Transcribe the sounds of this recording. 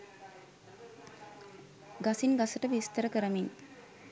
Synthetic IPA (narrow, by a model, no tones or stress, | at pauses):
ɡasinɡasəʈəʋist̪əɾəkəɾəmin